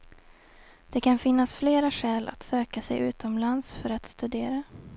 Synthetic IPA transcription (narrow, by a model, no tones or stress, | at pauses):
d̪̥ɛkʰanfɪnːasfleːɾaɧɛːlʔa̰t̪søːkasɛ̰jʔʉ̟̰ːt̪ɔmlansfœɾat̪st̪ɵd̪eːɾa